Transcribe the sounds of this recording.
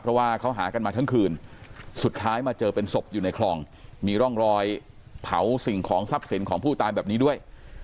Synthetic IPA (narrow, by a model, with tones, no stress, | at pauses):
pʰɾɔ˦˥waː˥˩kʰa˦˥wɦa̰ː˩˦ka˧nmaː˧t̪ʰa˦˥ŋkʰɯː˧nsu˨˩t̪̚t̪ʰaː˦˥jmaː˧t͡ɕɤː˧pe˧nso˨˩p̚juː˨˩na˧jkʰlɔː˧ŋ | miː˧ɾɔ˥˩ŋɾɔː˧j | t̪ʰa˩˦wsi˨˩ŋkʰɔː˩˦ŋsa˦˥p̚si˨˩˦nkʰɔː˩˦ŋpʰuː˥˩t̪aː˧jbɛː˨˩p̚niː˦˥du˥˩əj